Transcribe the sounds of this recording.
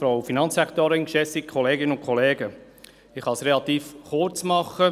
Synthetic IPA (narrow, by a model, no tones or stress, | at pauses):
fɾɔʊfinɑnt͡sɛkt̪oːɾɪnkʃɛsɪɡ̚kʰχɔleːɡɪnəʊnkʰɔleːɡə | ɪχɑsɾɛlɑt̪iːfχʊɾt͡smɑχə